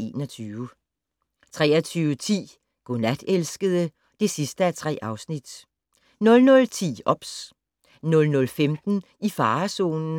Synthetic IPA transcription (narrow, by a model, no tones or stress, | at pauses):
e̝ːnɒt͡sʰyːʊə | t͡sʰʁɛ̰ːɐt͡sʰyːʊət͡sʰḭː | ɡ̥onæd̥elsɡ̥əðˠə | d̥e̝sisd̥əæt͡sʰʁɛ̰ːʔɑ̈ʊsnid̥ | nɔ̽lnɔ̽lt͡sʰḭːɒ̽b̥s | nɔ̽lnɔ̽lfemd̥n̩ | ifɑ̈ːso̝̰ːnn̩